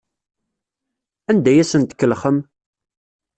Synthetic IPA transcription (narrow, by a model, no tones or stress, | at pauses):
ænd̪æjæsənt̪ə̥kːəlχəm